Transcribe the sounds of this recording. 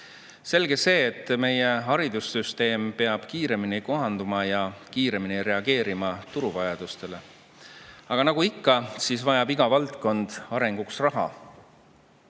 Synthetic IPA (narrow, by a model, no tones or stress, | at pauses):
se̞lɡe̞se̞ːt̪ːˑme̞jeɦɑɾid̪usːyst̪e̞ːmpe̞ɑb̥kiːɾe̞miniko̞ɦɑnd̪umɑjɑkiːɾe̞miniɾe̞ɑɡe̞ːɾimɑt̪uɾuvɑjɑd̪̥ust̪e̞le̞ | ɑɡ̥ɑnɑɡ̥uikːɑsiːsvɑjɑbiɡ̥ɑvɑlt̪ko̞nd̪̥ɑɾe̞ŋɡ̥uksrɑɦɑ̰